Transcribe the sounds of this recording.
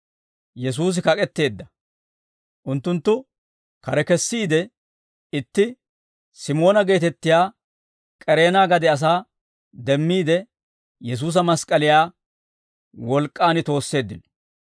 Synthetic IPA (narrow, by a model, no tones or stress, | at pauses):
jɛs̬uːs̬ɪkɐkʼɛt̪ːe̞ːd̪ːɐ | ʔʊnt̪ːʊnt̪ːʊ | kɐɾɛkɛsːiːd̪ɛ | ɪt̪ːɪ | sɪmo̞ːnɐɡe̞ːt̪ɛt̪ːɪjaː | kʼɛɾe̞ːnaːɡɐd̪ɛɐs̬aː | d̪ɛmːiːd̪ɛ | jɛs̬uːs̬ɐmɐskʼɐlɪjaː | wɔlkʼːaːnɪt̪o̞ːsːe̞ːd̪ːɪn